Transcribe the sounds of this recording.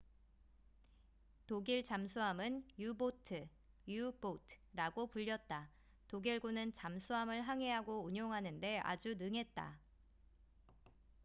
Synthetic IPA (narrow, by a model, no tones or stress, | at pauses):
toɡiɭt͡ɕamsʰuɦamɯnjubotʰɯ | jubotʰɾaɡopuʎːʌt̚t͈a | toɡiɭɡunɯnt͡ɕamsʰuɦamɯɭɦaŋɦe̞ɦaɡouɲoŋɦanɯnde̞a̰d͡ʑunɯŋɦe̞t̚t͈a̰